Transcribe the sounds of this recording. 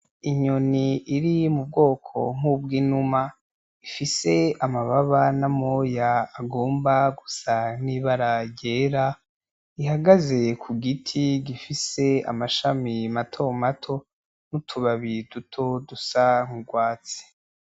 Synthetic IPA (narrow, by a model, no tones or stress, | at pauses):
iɲoniːɾimub̚ɡo̞ːkʰo̞̰ŋ̥ub̚ɡiːnuma | ifise̞amaβaβanamojaːɡo̞ːmbaɡusaniβaɾaɟe̞ːɾa | ihaɡaze̞kʰuɡitʰiɡifise̞a̰maʃamimatʰo̞matʰo̞ | n̥utʰuβaβidutʰo̞dusaŋ̥uɡwaːt͡si̥